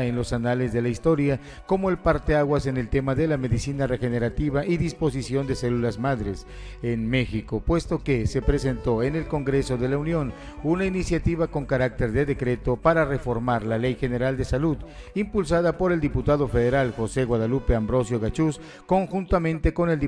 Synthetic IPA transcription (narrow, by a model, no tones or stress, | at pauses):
enlo̞sanalezðe̞laist̪o̞ɾja | ko̞moe̞lpaɾt̪eaɣwase̞ne̞lt̪e̞maðe̞lame̞ðisinare̞xene̞ɾat̪iβaʔiðispo̞s̬isjo̞nd̪e̞se̞lulazmaðɾe̞s | enme̞xiko̞pwe̞st̪o̞kese̞pɾese̞nt̪o̞ene̞lko̞ŋɡɾe̞so̞ðe̞launjo̞n | unainisjat̪iβako̞ŋkaɾak̚t̪e̞ɾðe̞ðe̞kɾe̞t̪o̞paɾare̞fo̞ɾmaɾlale̞jxe̞ne̞ɾald̪e̞saluð | impuls̬aðapo̞ɾe̞ld̪iput̪aðo̞fe̞ðe̞ɾalxo̞se̞ɣwaðalupe̞ambɾo̞sjo̞ɣat͡ʃus | ko̞ŋxunt̪amẽ̞nt̪e̞ko̞ne̞ld̪